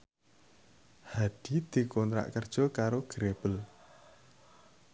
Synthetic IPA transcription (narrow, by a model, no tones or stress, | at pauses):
haɖ̪̥id̪̥i̤kɔnt̪ɾa̰ʔkərd̥ʒ̥ɔ̤kaɾoɡ̥ɾeb̥əl